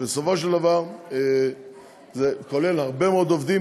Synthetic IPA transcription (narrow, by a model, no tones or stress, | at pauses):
besofo̞ʃeld̪avaʁ | zekolelhaʁbemeod̪ovd̪i